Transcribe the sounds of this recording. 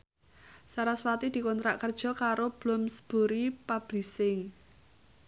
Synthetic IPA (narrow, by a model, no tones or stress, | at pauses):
saɾaswat̪id̪̥i̤kɔnt̪ɾaʔkərd̥ʒ̥ɔ̤kaɾob̥lʊmsə̥b̥o̤ɾipab̥lisɪŋ